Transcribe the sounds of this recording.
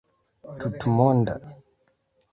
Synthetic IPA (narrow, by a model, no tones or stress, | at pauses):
tutumɔnda̰